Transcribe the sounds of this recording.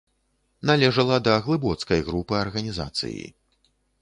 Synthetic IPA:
nalʲɛʐɐlˠɐd̪ɐɣlˠɨbɔt̪skɐjɣɾupɨɐrɣɐnʲiza̰t̪sɨ̰jḭ

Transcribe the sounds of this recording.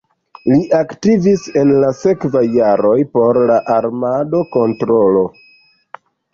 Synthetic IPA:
liʔaktivise̞nlase̞kvajːaɾo̞jpo̞ɾlaʔaɾmado̞ko̞ntɾo̞lo̞

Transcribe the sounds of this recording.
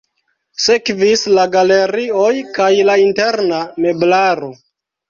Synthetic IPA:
se̞kvislaɡale̞ɾiojkajlainte̞ɾname̞blaɾo̞

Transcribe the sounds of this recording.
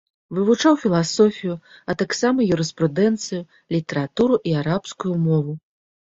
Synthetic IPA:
vɨvut͡ʂawfʲilˠasɔfʲijuɐt̪aksamɐjuɾɨspɾud̪ɛnt̪sɨju | lʲit̪ɛɾat̪uɾuʔiaɾapskujumɔvu

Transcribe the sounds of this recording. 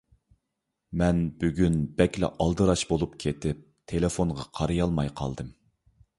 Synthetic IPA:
mɛnb̥yɡʲynbɛkʲlɛ̰ʔɑlˠd̪ɨɾɑʃbolˠup̚kʲʰet̪ɪp̚t̪ʰelefoɴʁɑqʰɑɾɨjɑlˠmɑjqʰɑ̰lˠd̪ɨm

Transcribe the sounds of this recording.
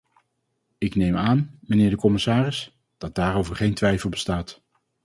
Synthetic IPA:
ɪknejmaːnmənɪːɹdəkɔmɪsaːrɪs | d̥ɑt̚d̥aːɾowvəɹχejntʋɛjfəlˠbə̥staːt

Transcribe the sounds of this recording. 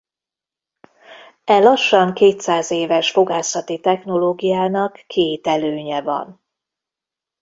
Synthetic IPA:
ɛlɒʃːɒŋkeːt̪saːzeːvɛʃfo̞ɡaːsɒt̪it̪ɛxno̞loːɡijaːnɒkːeːt̪ɛløːɲɛvɒ̰n

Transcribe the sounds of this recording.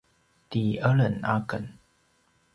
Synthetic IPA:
t̪iʔələnʔakən

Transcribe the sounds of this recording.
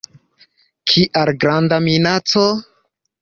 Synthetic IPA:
kʰiʔaɾɡɾandaminat͡so

